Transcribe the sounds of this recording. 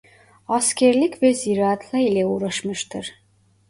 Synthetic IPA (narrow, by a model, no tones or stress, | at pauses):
ascʰɛɾlʲicvɛziɾaːt̪ʰlʲˠailʲɛuːɾaʃmɯʃt̪ʰɯɾ̥